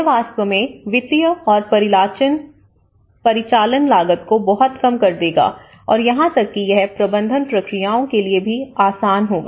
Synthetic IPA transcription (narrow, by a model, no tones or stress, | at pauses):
ʋaːst̪əmẽʋɪt̪ijəɔːɾpɐɾɪlaːt͡ʃən | pɐɾɪt͡ʃaːlənlaːɡət̪̚kobɔɦɔt̪kɐmkɐɾd̪eːɡa̰ː | ɔ̰ːɾjɐɦãt̪ɐkːijɛɦpɾɐbə̃nd̪ʱənpɾɐkɾijaːõkeliebʱiaːsaːnɦoːɡ̰ː